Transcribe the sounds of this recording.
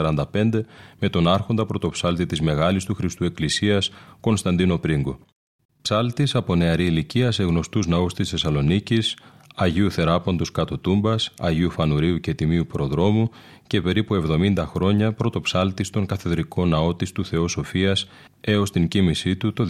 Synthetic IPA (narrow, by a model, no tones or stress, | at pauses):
ɐɾɐnd̪ɐpe̞nd̪e̞me̞t̪o̞nɐɾxo̞nd̪ɐpɾo̞t̪o̞psɐlt̪it̪izme̞ɣɐlist̪uxɾist̪ue̞klisiɐsko̞nst̪ɐnd̪ino̞pɾiŋɡo̞ | psɐlt̪isɐpo̞ne̞ɐɾiːliciɐse̞ɣno̞st̪uznɐust̪isθe̞sɐlo̞nicisɐʝiuθe̞ɾɐpond̪oskɐt̪o̞t̪umbɐsɐ̰ʝiufɐnuɾiuce̞t̪imiupɾo̞ðɾo̞mu | ce̞pe̞ɾipue̞vðo̞mind̪ɐxɾo̞ɲɐpɾo̞t̪o̞psɐlt̪ist̪o̞ŋkɐθeðɾiko̞nɐo̞t̪ist̪uθe̞o̞so̞fiɐs | e̞o̞st̪iɲcimisit̪ut̪o̞